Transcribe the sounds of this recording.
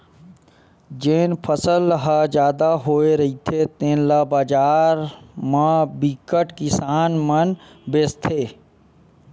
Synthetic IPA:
d͡ʒeːnpʰəsəlɦad͡ʒjaːd̪aɦoːeɾɐɦit̪ʰet̪ẽːnlaːbaːd͡ʒaːɾmãbikəʈkɪsaːnmən | beːst̪ʰeː

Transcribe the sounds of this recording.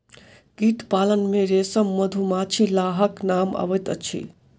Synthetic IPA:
ɡiʈpalənmeɾesəmːəd̪ʱumat͡ʃʰilaɦəknama̰ʋəjt̪ə̰t͡ʃʰḭ

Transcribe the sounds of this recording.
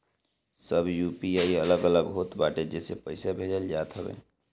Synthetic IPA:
səbjuːpiaːiələɡələɡɦoːt̪baːʈed͡ʒɛsepəɪsabʱeːd͡ʒəld͡ʒaːt̪ɦəbḛː

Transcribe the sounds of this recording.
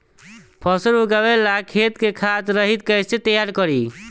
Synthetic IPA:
pʰɔsəɾɦuɡawelakʰet̪kekʰat̪ɾəɦit̪̚kəjset̪əjaɾkəɾi

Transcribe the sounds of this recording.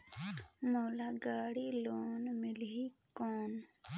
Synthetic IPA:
moːlaɡaːɽiloːnmɪlɦikoːn

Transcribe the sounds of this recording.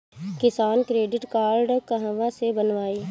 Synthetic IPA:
kɪsaːnkɾeːɖɪʈkaːɾɖkəɦə̃ʋãsebɐnʋaːiː

